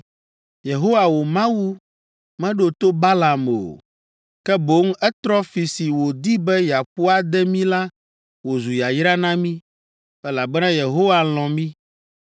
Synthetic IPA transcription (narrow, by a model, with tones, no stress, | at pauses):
je˨ɦo˦wa˨wo˨mã˦wu˦ | mɛ̃˦ɖo˨t̪o˦ba˦la˨mo̰˨ | kɛ˦bo˦ŋ˦ɛ˦t̪ɾɔ˦fi˨si˨wo˨d̪i˦bɛ˦ja˨ɸu˦a˦d̪ɛ˦mĩ˦la˦ | wo˨zu˨ja˨jɾa˦nã˦mĩ˦ | ɛ˦la˨bɛ˦nã˦je˨ɦo˦wa˨l̃ɔ̃˨mĩ˦